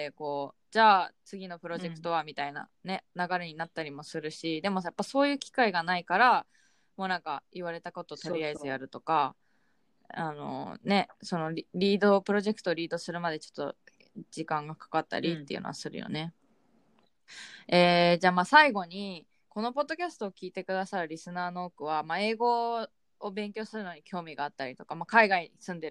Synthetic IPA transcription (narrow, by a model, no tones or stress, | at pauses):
eko̞ː | d͡ʑaːt͡sɨɡʲino̞pɯ̟ɾo̞ʑe̞kɯ̥t̪o̞βamʲit̪aina̰ne̞naɡaɾe̞ɲ̟inat̪ːaɾʲimo̞sɨɾɯ̟ɕid̪e̞mo̞japːaso̞ːjɯ̟ːkʲi̥kaiɡanaikaɾa | mo̞ːnãŋkaiβaɾe̞t̪ako̞t̪o̞ːt̪o̞ɾʲiaizɨjaɾɯ̟t̪o̞ka | ano̞̰ne̞so̞no̞ɾʲiːd̪o̞pɯ̟ɾo̞ʑe̞kɯ̥t̪o̞ːɾʲiːd̪o̞sɨɾɯ̟mad̪e̞t͡ɕo̞̥t̪ːo̞̰ | d͡ʑikãŋɡakḁkat̪ːa̰ɾʲit̪ːe̞iɯ̟̰noa̰sɨɾɯ̟jo̰ne̞ | eːd͡ʑaːmaːsaiɡo̞ɲ̟i | ko̞no̞po̞d̪ːo̞kʲasɨ̥t̪o̞ːkʲiːt̪e̞kɯ̟d̪asaɾɯ̟ɾʲisɨnaːno̞ːkɯ̟βamae̞ːɡo̞ː | bẽ̞ŋkʲo̞ːsɨɾɯ̟no̞ɲ̟ikʲʰo̞ːmʲiɡaːt̪ːaɾʲit̪o̞kamakaiɡaiɲisɨ̃nd̪e̞ɾ